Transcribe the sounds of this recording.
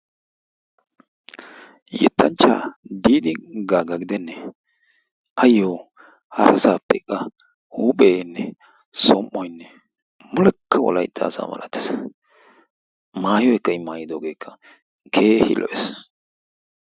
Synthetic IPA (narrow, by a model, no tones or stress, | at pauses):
jɛ̰t̪ʰːɐnt͡ʃːa̰ːd̪iːd̪ɪɡaːɡɐɡɪd̪ɛnːɛ | ʔɐjːoː | hɐɾɐsaːpːɛkʼːɐ | huːpʼeːnːɛ | sɔmʔːɔjnːɛ | mʊlɛkʰːɐwɔ̰lɐ̰jd̪ːa̰ːsa̰ːmɐ̰lʔɐt̪ːɪ̥s | maːjɔjkːɐɪmaːjɪd̪oːɡe̞ːkːɐ | kʰeːhɪ̰lʔɔʔɛs